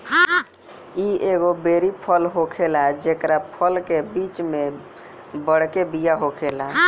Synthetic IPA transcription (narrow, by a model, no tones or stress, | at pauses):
ieɡobeɾipʰəlɦokʰelad͡ʒekɾapʰəlkebit͡ʃme | bəɽkebijaɦokʰela